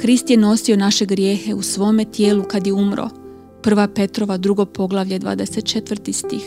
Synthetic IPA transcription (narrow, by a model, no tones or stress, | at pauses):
kɾist̪jeno̞sio̞naʃe̞ɡɾje̞ːxe̞usʋo̞ːme̞t̪je̞ːlukad̪jeumɾo̰ | pr̩ʋape̞t̪ɾo̞ʋad̪ɾuɡo̞po̞ɡlˠaʋʎed̪ʋa̰ːd̪ese̞t̪̚t͡ʃe̞t̪ʋr̩t̪ist̪ix